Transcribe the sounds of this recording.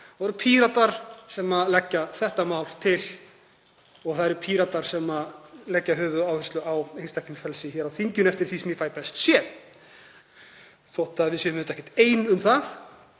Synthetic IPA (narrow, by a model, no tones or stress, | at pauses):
ɾpʰiːɾat̪aɾ̥sɛmaðlɛcːaθɛht̪amawlt̪ʰɪl | ɔɣθaðɛɾpʰiːɾat̪aɾ̥sɛmalɛcːaɦʏːvʏaːwhɛst̪lʏawejnst̪akʰninfɛlsɪçɛɾawθiɲcʏnɛft̪ɪɾ̥θisɛmjɛfaːjpɛst̪sjɛð | θoht̪aðvɪsjɛʏmnt̪ɛhcːɛ̥ht̪eːjnʏmθaθ